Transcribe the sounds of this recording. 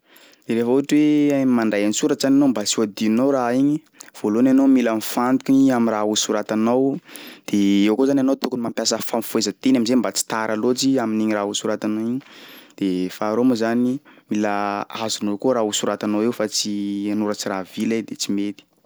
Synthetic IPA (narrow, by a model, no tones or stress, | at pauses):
d̪̥eɾefəuaʈ͡ʂiwemaɳɖ͡ʐajanisuɾat͡ʃzananombasuad̪inowɾaiɲi | v̥olonanomilanifant̪ukʲiɲiamiɾausuɾat̪anawd̪̥eewkozananowt̪ukunimampjasəfamfuezət̪enamizembat͡si̥t̪aɾʔalot͡siaminiɲiɾausuɾat̪anoiɲid̪̥efaɾomuzanimiləazunokoɾausuɾat̪anawewfat͡sianuɾat͡siravilad̪et͡simet̪i̥